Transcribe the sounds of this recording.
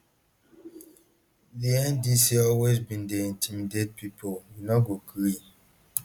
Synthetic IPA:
diɛ̃ndisiɔlwezbĩndeĩntʰimided̚pʰipʰolwinɔɡoɡɾi

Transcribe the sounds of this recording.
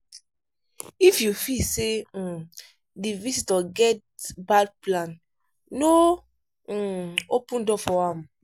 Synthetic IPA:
ifjufilse | divisitɔɡɛt | bad̚plãn | no | opũndɔfɔãm

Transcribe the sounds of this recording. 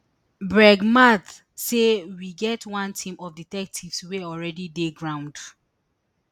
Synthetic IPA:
bɹɛɡmat̪ | sewiɡɛtʰwãntʰĩmɔvditɛk̚tʰivsweɔlɹɛdideɡɹãʊ̃nd

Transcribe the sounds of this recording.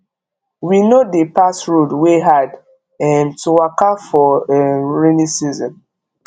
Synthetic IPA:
winodepasɹodweɦad | ɛmtuwakafɔɹinisizɔ̰̃n

